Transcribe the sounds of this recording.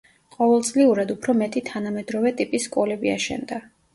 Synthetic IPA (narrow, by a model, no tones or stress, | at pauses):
qʼɔvɛlˠt̪sʼliuɾad̪upʰɾɔmɛt̪ʼit̪ʰanamɛd̪ɾɔvɛt̪ʼipʼisːkʼɔlɛbia̰ʃɛ̰nd̪a